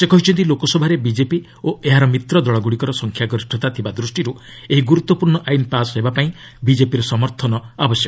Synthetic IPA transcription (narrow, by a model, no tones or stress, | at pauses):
sekɔɦit͡ʃʰɔnt̪ilokɔsɔbʱaɾebid͡ʒepi | oeɦaɾɔmit̪ɾɔd̪ɔɭɔɡuɽikɔɾɔsɔŋkʰjaɡɔɾisʈʰɔt̪at̪ʰibad̪ɾusʈiɾu | eɦiɡuɾut̪ːɔpuɾɳɔʔainpasɦebapaĩ | bid͡ʒepiɾɔsɔmɔɾt̪ʰɔnɔabɔsjɔkɔ